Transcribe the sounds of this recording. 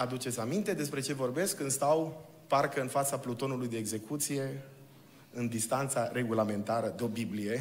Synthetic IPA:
ad̪ut͡ʃe̞t̪sʲamint̪e̞d̪e̞spɾe̞t͡ʃe̞vo̞rbe̞skːɨnst̪aw | parkəɨnfat̪saplut̪o̞nulujd̪e̞ːɡze̞kut̪sije̞ | ɨnd̪ist̪ant̪sare̞ɡulame̞nt̪aɾəd̪eo̞biblije̞

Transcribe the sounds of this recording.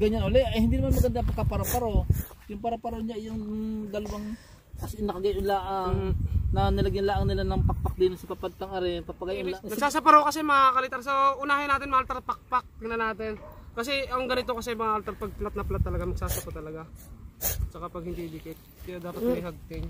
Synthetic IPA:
ɡɐɲanʔolɛʔɐjhɪnd̪iːnmanmɐɡɐnd̪ɐpɐɡ̚kːapɐɾapɐɾo | jʊŋpɐɾapɐɾoɲaʔjɐŋd̪ɐlɐwaŋ | kɐsɛʔɪnɐkɐɡɐjʔʊnlaːʔɐŋnɐnɐlaɡɪnɐlaːʔɐŋnɪlanɐŋpɐk̚pɐk̚d̪ɪnosɐpɐpad̪̚t̪ɐŋɐɾɛnpɐpɐɡajʔnɐɡsaːsɐpɐɾowkɐsɛmɐŋakɐlɪt̪aɾsoʔʊnahɪnaːt̪ɪnmɐŋaʔɐlt̪ɛrpɐk̚pak̚nɐnaːt̪̬ɪnkɐs̬ɛɐŋɡɐnɪt̪okɐsɛjmɐŋaʔɐlt̪ɛɾpɐɡ̚plat̪̚nɐplat̪ːɐlɐɡamɐɡ̚saːsɐpɐt̪ɐlɐɡa | t͡ʃɐkapɐɡ̚hɪnd̪id̪ikɛt̪̚kɐjad̪aːp̪ɐtmɐjɦaɡ̚t̪ɪŋ

